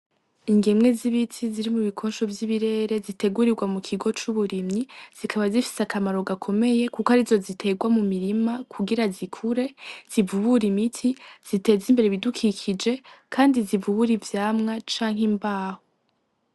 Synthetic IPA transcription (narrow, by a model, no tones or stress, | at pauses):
iŋɡemŋe̞ziβitʰiziɾimuβikʰo̞ːnʃo̞vjiβiɾe̞ːɾe̞zite̞ɡuɾiɾɡwamukʰiɡo̞t͡ʃuβuɾimɲiz̥ikʰaβazifi̥seakamaɾo̞ɡakʰo̞me̞je̞kukohaɾizo̞zitʰe̞ɡwamumiɾimakʰuɡiɾazikʰuɾe̞z̥ivuβuɾimitʰiz̥ite̞ːzimbe̞ɾeβidukʰikʰid͡ʒe̞kʰaːndizivuβuɾivjaːmŋat͡ʃaːŋɦimbaːho